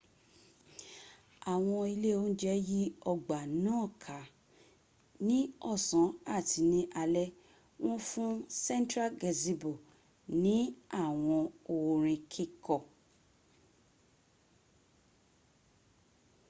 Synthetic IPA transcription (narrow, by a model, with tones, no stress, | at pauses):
a˨w̃ɔ̃˧i˧le˦o˦n̩˦d͡ʒɛ˦ji˦ɔ˧ɡ͡ba˨nãː˦˨kʰa˨˦ | nĩ˦ɔ˦˨sã˨˦a˦˨ti˨˦nĩ˧ʔa˧lɛ˦ | w̃ɔ̃˦fũ˦sɛ̃˦n˦tɾa˦ɡɛ˨zi˧bo˨ | nĩ˨˦a˦˨w̃ɔ̃˧o˨wɾ̃ĩ˧kʰi˦kɔ˨